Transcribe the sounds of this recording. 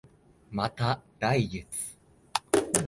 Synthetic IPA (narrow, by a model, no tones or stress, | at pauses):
mat̪ad̪̥aiɡit͡sɨ̥